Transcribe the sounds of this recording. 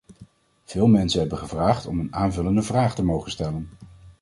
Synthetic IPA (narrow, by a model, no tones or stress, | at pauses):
v̥ɪːlˠmɛnsənɦɛbəχəvraːχtɔmənaːnvɵləndəvraːχtəmowχənstɛlən